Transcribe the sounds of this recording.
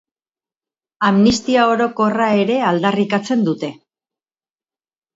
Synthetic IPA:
amnist̪iao̞ɾo̞ko̞rae̞ɾe̞ald̪arikat͡se̞nd̪ut̪e̞

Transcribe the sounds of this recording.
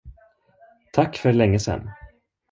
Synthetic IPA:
t̪ʰakːfœɾlɛŋːəsɛ̰nː

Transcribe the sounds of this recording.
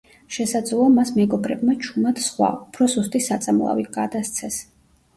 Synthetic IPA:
ʃɛsad̪zlˠɔamasmɛɡɔbɾɛbmat͡ʃʰumad̪sχwa̰upʰɾɔsust̪ʼisat̪sʼamlˠa̰vit̪̚ʰɡad̪ast̪sʰɛs

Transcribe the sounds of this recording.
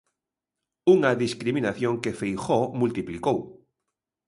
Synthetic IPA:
uŋaðiskɾiminaθjoŋkefejxomult̪iplikow

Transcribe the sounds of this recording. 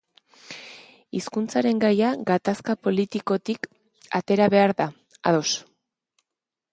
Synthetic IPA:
iskunt͡saɾe̞ŋɡajaɡat̪askapo̞lit̪iko̞t̪ik | a̰t̪e̞ɾaβe̞aɾða | aðo̞s

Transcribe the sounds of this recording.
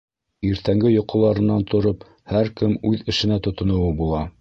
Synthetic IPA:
iɾt̪æŋɡɘjŏqŏlˠɑɾɤ̆nːɑnt̪ʰŏɾop | hæɾkɘmʉðɘ̆ʃɘ̆næt̪ŏt̪ŏnŏwɤbulˠɑ

